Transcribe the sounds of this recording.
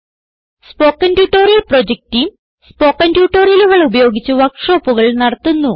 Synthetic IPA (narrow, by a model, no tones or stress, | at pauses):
spo̞ːkːɐndjuːʈːoːɾjilprod͡ʑek̚tim | spoːkːɐndjuːʈːoːrijɐluɣɐɭubɐjo̞ːɡit͡ɕːuʋɐkʂoːpːuɣɐɭnɐɽɐt̪ːunːu